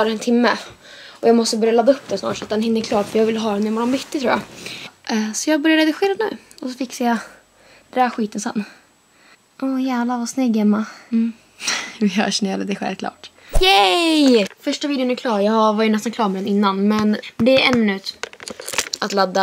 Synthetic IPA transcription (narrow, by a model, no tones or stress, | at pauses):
ɾɛnt̪ʰɪmːə | ɔjɑːɡmɔst̪əbœɾjalad̪ːaɵp̚ːd̪ɛnsnɑ̰ːʈʂat̪̚d̪ɛnhɪnːəɾkʰlɑːɾfɔjɑːɡvɪlɦɑːɾɛnːjmɔɾɔmbʏt̪ːɪt̪ʰɾuːja̰ | sɔjɑːɡbœɾjaɛd̪əɧeːɾanʉ̟̰ː | ɔsɔfɪksaja | d̪̥ɾæːɧiːt̪ənsɛ̰nː | ʔɔjæːvlavasnɛɡhɛmːa | vɪhœ̰ːʂɛnaləd̪ɛɧɛ̰lvkʰlɑ̰ːʈ | jɛjfœʂʈaviːd̪ɪʊnɛɾkʰlɑːɾjɑvaɾjənɛst̪ankʰlɑːɾmɛd̪ɛnɪnːanmɛnd̪ɛːɾɛnːʉ̟t̪ | ʔat̪lad̪ːa